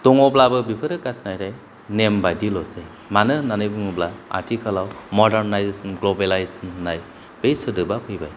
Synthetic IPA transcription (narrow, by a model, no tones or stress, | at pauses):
tɔŋɔblabɯbipʰɯɾɯkasnajɾaj | nembadilɔse | manɯnanɯjbɯŋɔblaa̰ɾtʰikʰalawmɔdeɾnajzesɔnɡlɔbelajsɯnːaj | b̥ejsɯdɯbapʰɯjbaj